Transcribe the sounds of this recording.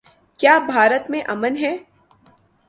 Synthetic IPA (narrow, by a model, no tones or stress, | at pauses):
kjaːbʱaːɾət̪mẽʔɐmənɦɛː